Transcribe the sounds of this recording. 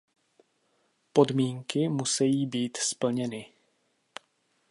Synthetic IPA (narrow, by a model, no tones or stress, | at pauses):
po̞dmiːŋkɪmusɛjiːbiːt̪spl̩ɲɛnɪ